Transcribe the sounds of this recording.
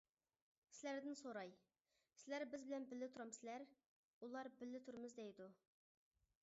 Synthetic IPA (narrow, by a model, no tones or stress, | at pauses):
sɪlæɾd̪ɪnsoɾɑj | sɪlæɾbɪzbɪlɛnbɪlːɪt̪ʰuɾɑmsɪlæɾ | ulˠɑɾbɪlːɪt̪ʰuɾmɨzd̪ɛjd̪u